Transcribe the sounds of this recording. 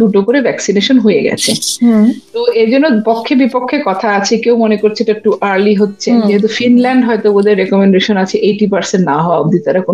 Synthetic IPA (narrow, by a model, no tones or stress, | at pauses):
d̪uʈokoɾebʱɛksineʃonɦojeɡɛ̰t͡ɕʰḛ | t̪oed͡ʑonːopokʰːebipokʰːekɔt̪ʰaat͡ɕʰekewmonekoɾt͡ɕʰeeʈaekʈuʔaɾliɦotːɕʰed͡ʑeɦet̪̬ufinlɛɳɖɦɔet̪obod̪eɾːekomeɳɖeʃonat͡ɕʰeʔejʈipaɾsenʈnaɦɔaobd̪it̪aɾako